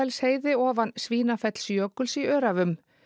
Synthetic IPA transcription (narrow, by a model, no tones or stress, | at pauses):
ɛlsheːjðɪɔːvansviːnafɛt̪l̥sjœːkʏlsiœːɾavʏm